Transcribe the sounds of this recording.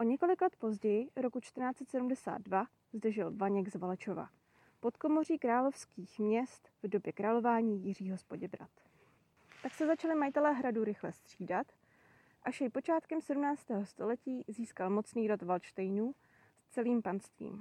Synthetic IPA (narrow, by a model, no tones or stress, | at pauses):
ʔoɲɛko̞lɪklɛt̪̚po̞zɟɛjɪɾo̞kut͡ʃt̪rɾnaːt͡sɛt̪sɛdumdɛsa̰ːd̪̚dva | zd̩ʒɪlvaɲɛɡzvalɛt͡ʃo̞va̰ | po̞t̪ko̞mo̞r̝iːkɾaːlo̞fskiːxmɲɛst̪vdo̞bjɛkɾʔaːlo̞vaːɲiːjɪr̝iːɦo̞spo̞ɟɛbɾa̰t̪ | t̪aksɛzat͡ʃalɪmajɪt̪ɛlɛːɦɾaduɾɪxlɛst̪r̝̥iːdat̪ | ʔaʃjɛjpo̞t͡ʃaːt̪kɛmsɛdumnaːt͡st̪ɛːɦo̞st̪o̞lɛciːziːskalmo̞t͡sniːɾot̪valt͡ʃt̪ɛjnuː | st͡sɛliːmpanst̪vḭːm